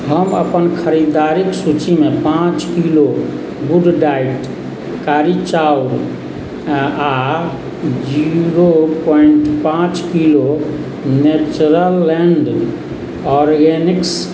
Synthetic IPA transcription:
ɦəmə̰pənkʰəɾid̪aɾiksut͡ʃimepãt͡ʃkilo | buɖɖaiʈ | kaɾit͡ʃauɾ | a | d͡ʒiɾopɔiɳʈpãt͡ʃkilo | net͡ʃɾəlːeɳɖ | ɔɾɡeniks

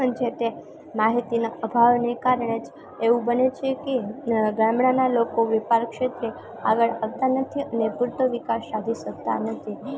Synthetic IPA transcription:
əɳd͡ʒet̪e | maɦit̪inaəbʱaʋnekaɾəɳ̃ed͡ʒ | eʋũbənet͡ʃʰekeɡamɳanalokoʋipaɾkʃet̪ɾe | aɡəɭaʋt̪anət̪ʰiənepuɾt̪əʋikasːad̪ʱiʃək̚t̪anət̪ʰi

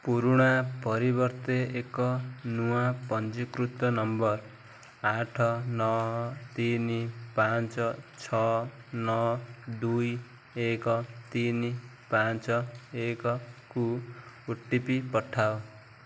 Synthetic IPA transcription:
puɾuɽapʌɾibʌrt̪eekʌnuwapʌnt͡sikrut̪ʌnʌmbʌr | aʈʰʌnʌɦʌt̪inipant͡sʌt͡sʰʌnʌd̪uj | ekʌt̪ini | pant͡sʌekʌkuuʈːipipʌʈʰːaw

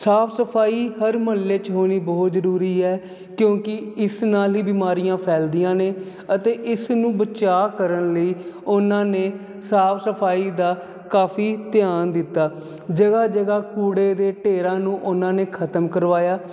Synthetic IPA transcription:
saːpʰsəpʰaːiːɦəɾməlːeːt͡ʃɦoːɽ̃iːbɔːt̪zəɾuːɾiːɛː | kjõːkɪɪsnaːlɦiːbiːmaːɾijãːpʰɛːld̪ijãːneː | ət̪eːʔɪsnũːbət͡ʃaːkəɾənləiːʊnãːneː | saːpʰsəpʰaːiːd̪aː | kaːpʰiːt̪ɪjaːnd̪ɪt̪ːaː | d͡ʒəɡaːd͡ʒəɡaːkuːɽeːd̪eːʈeːɾãːnũːʔʊnãːneːkʰət̪əmkəɾʋaːjaː

